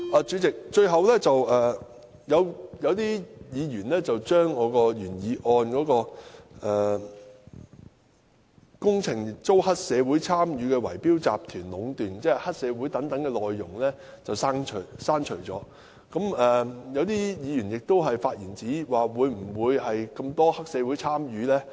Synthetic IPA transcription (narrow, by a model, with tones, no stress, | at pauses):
ʔaː˨˩t͡ʃyː˨˥t͡sɪ˨k̚t͡ʃɵ˧ɥɦɐ˨wlɛː˥t͡sɐ˨wʔɛː˨˩ | jɐ˨˧wjɐ˨˧wt̪iː˥jiː˨˧jyː˨˩nlɛː˥t͡sɐ˨wt͡ʃœː˥ŋːɔː˨˧kɔː˧jyː˨˩njiː˨˧ʔɔː˧nkɔː˨˥kɔː˧ʔɛː˨˩ | kʊ˥ŋt͡sʰɪ˨˩ŋt͡so˥whɐ˥t̚sɛː˨˧wuː˨˥jt͡sʰaː˥mjyː˨˧kɛː˧wɐ̰˨˩jpiː˥wt͡sa̰ː˨p̚t̪ʰyː˨˩nlʊ˨˧˥ŋt̪yː˨˩nt͡sɛː˥˨hɐ˥t̚sɛː˨˧wuː˨˥jt̪ɐ˨˥ŋt̪ɐ˨˥ŋkɛ˧lɔː˨jːʊ˨˩ŋlɛː˥ | t͡sɐ˨wsaː˥ŋt͡ʃʰɵ˨˩saː˥ŋt͡ʃʰɵ˨˩jt͡sɔ̰ː˨˥ | kɐ˨˥mɛː˨jɐ˨˧wt̪iː˥jiː˨˧jyː˨˩njɪ˨k̚t̪o˥wɦɐ˨jfaː˧t̚jiː˨˩nt͡siː˨˥waː˨wuː˨˧jm̩˨˩wuː˨˧jhɐ˨jkɐ˧mt̪ɔː˥hɐ˥k̚sɛː˨˧wu˨˥jt͡sʰaː˥mjyː˨˧lɛː˥